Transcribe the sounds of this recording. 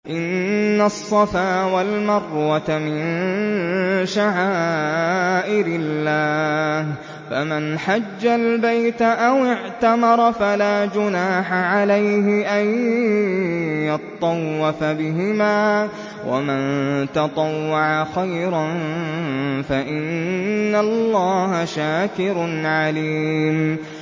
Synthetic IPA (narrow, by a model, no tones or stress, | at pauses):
ʔɪnːasˤːɑfaːwalmɑrˤwat̪amɪn | ʃaʕaːʔɪɾɪlːaːh | famanħad͡ʒːalbajt̪aʔawɪʕt̪amɑɾˤɑfalaːd͡ʒʊnaːħaʕalajɦɪʔan | jɑt̪t̪ˤːɑwːɑfabɪɦɪmaː | wʔa̰mant̪ɑt̪ˤɑwːɑʕaxajɾan | faʔɪnnːalːɑːɦaʃaːkɪɾʊnʕaliːm